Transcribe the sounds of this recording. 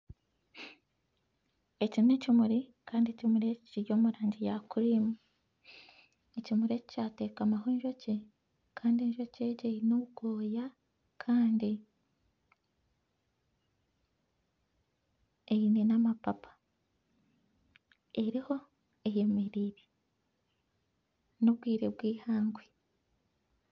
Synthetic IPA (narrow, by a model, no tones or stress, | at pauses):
e̞cinecimuɾikʰaːndiecimuɾeciciɾjo̞ːmuɾaːɲɟijakuɾimu | ecimuɾe̞ci̥caːte̞ːkamaɦoːɲʒo̞ce | kaːndieɲʒo̞ce̞ɟeinouɡoːja | kʰaːndi | einenamapapʰḁ | e̞ɾiho̞ | eje̞meɾiːɾe | noβɡwiːɾe̞bɡwiːhaːŋɡwe